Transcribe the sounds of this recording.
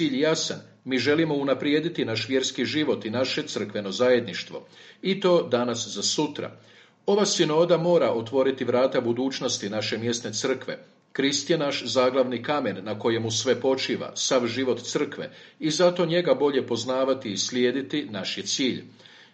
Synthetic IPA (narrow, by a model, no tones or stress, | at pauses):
iːʎjejasa̰n | miːʒe̞limo̞unapɾjeːd̪it̪inaʃʋje̞ɾskiʒiʋo̞t̪inaʃe̞t̪sr̩kʋe̞no̞zaje̞d̪niʃt̪ʋo̞̰it̪o̞ːd̪anaszasut̪ɾa̰ | o̞ʋasino̞ːd̪amo̞ːɾaʔo̞t̪ʋo̞ɾit̪iʋɾaːt̪abud̪uːt͡ʃno̞st̪inaʃe̞mje̞st̪ne̞t̪sɨr̩kʋe̞̰ | kɾist̪jenaʃzaːɡlˠaʋnikamenːako̞jemusʋe̞po̞t͡ʃiːʋa̰saʋʒiʋo̞t̪t̪sr̩kʋe̞̰izat̪o̞ɲe̞ɡabo̞ʎe̞po̞znaːʋat̪iːsljeːd̪it̪inaʃjet̪siːʎ